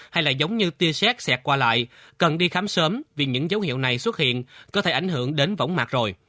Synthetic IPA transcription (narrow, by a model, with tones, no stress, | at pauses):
ha˧jlaː˨˩zə˨˦wŋ͡mɲɨ˧t̪i˧əsɛ˦˥k̚sɛ˨˩k̚kwaː˧la̰ː˧˨j | kə˨˩nɗi˧xaː˨˦msəː˨˦mvi˨˩ɲɨ̰˧˥ŋzə˨˦whḭ˧˨əwna˨˩jswə˦˥t̚hḭ˧˨ənkɔ˨˦t̪ʰe˧˩ʔa˧˩ŋ̟ɦɨ˧˩əŋɗe˨˦nvə̰˧˥wŋ͡mmaː˨˩t̚zo˨˩j